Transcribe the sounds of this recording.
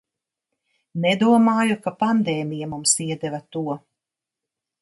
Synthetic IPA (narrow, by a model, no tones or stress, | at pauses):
nɛd̪uɔmaːjukapand̪ɛːmijamumsiɛd̪ɛvat̪uɔ